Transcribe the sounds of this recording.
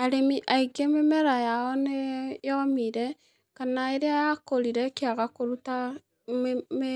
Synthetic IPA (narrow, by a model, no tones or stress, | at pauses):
aɾemiʔaiɡememɛɾajaɔnejɔmiɾɛ | kanaeɾeajakoɾiɾɛkeaɣakoɾuta | me